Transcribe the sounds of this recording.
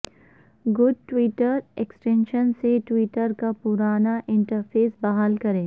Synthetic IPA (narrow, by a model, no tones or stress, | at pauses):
ɡʊɖ̚ʈʋiːʈəɾeksʈẽnʃənseʈwiːʈəɾkapʊɾaːnaʔɪ̃ɳʈəɾpʰeːsbɐɦaːlkɐɾẽː